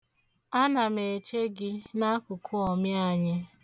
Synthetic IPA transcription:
a˦na˨me˨t͡ʃe˦ɡɪ˦na˦kʊ˨kʰʊ˦ɔ˨mja˨ɲɪ˦

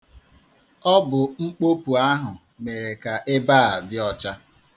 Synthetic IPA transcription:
ɔ˦bʊ˨ŋ͡m̩˦k͡po˦pu˨a˦ɦʊ˨ | me˨ɾe˨ka˨ʔɪ˦baː˦a˨dɪ˦ɔ˦t͡ʃa˦

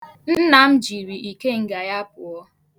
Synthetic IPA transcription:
n̩˦na˨m̩˦d͡ʒi˨ɾi˨ʔi˨ke˦ŋ̩˨ɡa˨ja˦pʊ˨ɔ˦

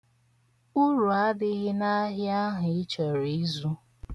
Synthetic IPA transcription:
u˦ɾu˨a˦dɪ˦ɣɪ˦na˦ɦjɪ˦a˦ɦʊ˨ɪ˦t͡ʃɔ˨ɾi˨˦zu˦

